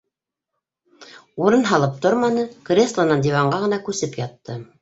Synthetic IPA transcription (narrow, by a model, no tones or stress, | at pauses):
uɾɤnɦɑlˠɤp̚t̪oɾmɑnɤkrʲeslˠanɑnd̪ʲivɑɴɢɑʁɤ̆nɑkʉsɘpjɑt̪ːɤ